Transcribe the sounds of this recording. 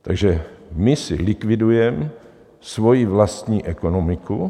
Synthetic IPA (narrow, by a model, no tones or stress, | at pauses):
t̪aɡʒɛmɪsɪ̰lɪkvɪdujɛm | svo̞jivlast̪ɲiːʔɛkonomɪku